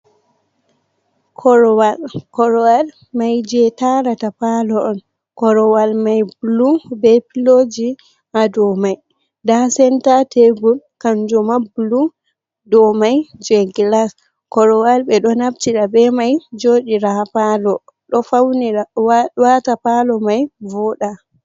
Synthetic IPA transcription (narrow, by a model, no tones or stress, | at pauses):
kʰɔɾɔwalkɔɾɔwal | majd͡ʒɛtaɾatapalɔʔɔn | kɔɾɔwalmajbulubɛpilod͡ʒi | ʔadɔmaj | dasɛntatʰeɡulkand͡ʒɔmabulu | dɔmajd͡ʒɛɡilas | kɔɾɔwalbɛɗɔnabtiɗabɛmajd͡ʒoːɗiɾapalɔ | ɗɔfawniawwatapalɔmajvɔɗa